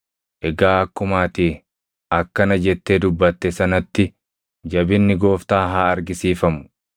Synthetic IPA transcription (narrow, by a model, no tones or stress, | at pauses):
ʔɛɡaːɐkːʊmaːt̪iː | ʔɐkːɐnɐd͡ʒɛt̪ːeːd̪ʊbːɐt̪ːɛsɐnɐt̪ːɪ | d͡ʒɐbɪnːɪɡo̞ːft̪aːɦaːɐɾɡɪsiːfɐmʊ̥